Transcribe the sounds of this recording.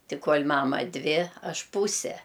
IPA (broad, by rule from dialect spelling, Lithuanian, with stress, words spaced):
ˈtʲɪ ˈkoːlʲ ˈmɑːmɐ ˈdʲʋʲɪ ˈɐʃ ˈpuːsʲɛ